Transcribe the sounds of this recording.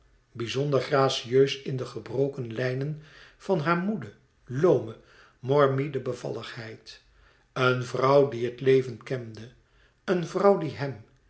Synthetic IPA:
bizɔnd̪əɹχraːsiøɥsɪndəχəbrowkənlɛjnənv̥ɑnɦaːɹmudə | lowmə | mɔɹmidəbəvɑ̰ləχhɦɛjt | ənvrɑwdiɦətlejvənkɛmdə | ənvrɑwdiɦɛm

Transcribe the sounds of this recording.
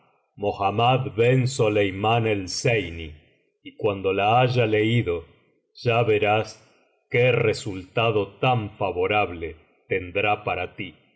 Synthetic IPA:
moxamaðβensolejmanelsejni | ikwand̪o̞laaʒaleiðo̞ | ʒ̥aβeɾas | keresult̪aðo̞t̪aɱfaβo̞ɾaβle | t̪end̪ɾapaɾat̪i

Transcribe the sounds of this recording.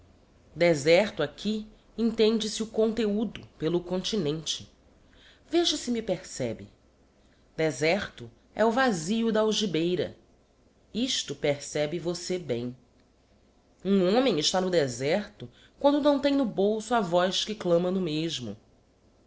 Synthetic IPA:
d̪ezɛɾt̪ʊakʲʰi | ẽŋt̪ẽnd͡ʒɪsɪʊkõnt̪eud̪ʊpelʊkõnt͡ʃinẽnt͡ʃɪ̥ | veʒɐsɪmipeɾsɛbɪ̰ | d̪ezɛɾt̪ʊ | ɛʊvaziʊd̪ɐawʒibejɾɐ̰ | iʃt̪ʊpeɾsɛbɪvosebḛ̃j̃ | ũõmẽj̃ɪʃt̪anʊd̪ɛzɛɾt̪ʊ | kwɐ̃nd̪ʊnɐ̃w̃t̪ẽj̃nʊbowsʊavɔjʃkɪklɐ̃mɐnʊmeʒmʊ̰

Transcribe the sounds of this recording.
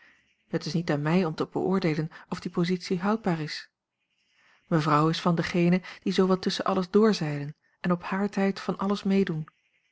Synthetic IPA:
hətɪsnitaːnmɛjɔmtəb̥ə̰ʔʊːɹdejlənɔvdipozitsiɦœwd̚baːɹɪs | məvrɑwɪsfɑndəχejnəd̥izowʋɑltɵsənʔɑləzdʊːɹzɛjdən | ɛnɔphaːɹtɛjtfɑnʔɑləsmejdun

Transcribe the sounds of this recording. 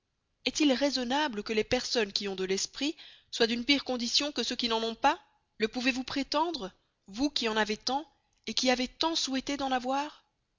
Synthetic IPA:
ɛt̪ilʁezɔnabləkəlepɛʁsɔnkʲiɔ̃d̪əlɛspχiswad̪ynpiʁkɔ̃d̪isjɔ̃kəsøkʲinɑ̃nɔ̃pa | ləpuvevupχet̪ɑ̃d̪ʁ | vukʲiɑ̃navet̪ɑ̃ | ekʲiavet̪ɑ̃suwɛt̪ed̪ɑ̃navwaːʁ

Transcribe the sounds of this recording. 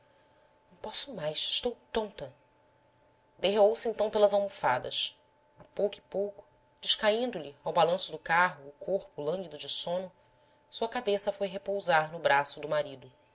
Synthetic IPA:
nɐ̃w̃pɔsʊmajsɪʃt̪owt̪õnt̪ɐ | d̪eɦeowsɪẽnt̪ɐ̃w̃pelɐzawmufad̪ɐ̰ʃ | apowkʊipowkʊ̥ | d͡ʒɪʃkaĩnd̪ʊlɪawbalɐ̃sʊd̪ʊkaɦʊːkoɾpʊlɐ̃ŋɡid̪ʊd͡ʒɪsõnʊ | suɐkabesɐfojɦepowzaɾnʊbɾasʊd̪ʊmaɾid̪ʊ

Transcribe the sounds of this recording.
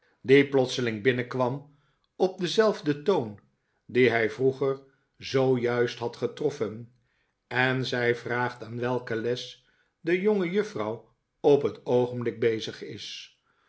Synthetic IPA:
diplɔt̪səlɪŋbɪnəkʋɑm | ɔb̚dəzɛlˠvdətown | diɦɛjvruχəɹ | zowjœɥstɦɑtχətrɔfən | ɛnzɛjvraːχtaːnʋɛlˠkəlɛs | dəjoŋəjɵfrɑw | ɔpɦətowχəmblɪɡ̚bejzəχɪ̰s

